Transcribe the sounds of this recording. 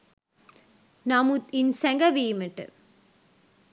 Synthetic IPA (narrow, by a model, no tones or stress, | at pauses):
nɐmut̪ɪnsɛŋɡɐʋijmɛʈːɨ̰